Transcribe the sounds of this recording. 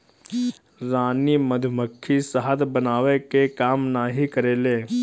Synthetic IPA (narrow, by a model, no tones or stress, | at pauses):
ɾaːniməd̪ʱməkʰːisəɦət̪bənaːʋekekaːmnaːɦikəɾeːleː